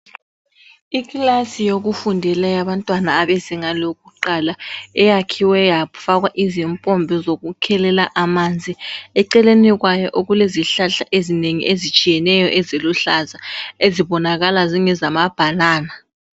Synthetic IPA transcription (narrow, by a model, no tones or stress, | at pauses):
iklasijoɣufundʱɛlajaβantʼwanaːβɛziŋaloɣuǃalaɛjakʰiwɛjafaɣwaʔizimpʼɔmbʱɛzoɣukʰɛlɛlaʔamand͡zʱiɛǀɛleniɣ̬wajɔʔoɣuleziɬaɬaʔezineŋḭʔezit͡ʃʼijɛnɛjɔʔɛzeluɬazaeziβɔnaɣalaziŋɛzamab̥ʱalaːna